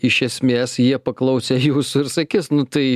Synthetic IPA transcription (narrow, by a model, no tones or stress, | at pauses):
ɪʃʲɛsʲmʲeːsjiɛpɐklˠɐʊsʲɛjuːsʊɪɾsɐkʲɪsnʊt̪ɐɪ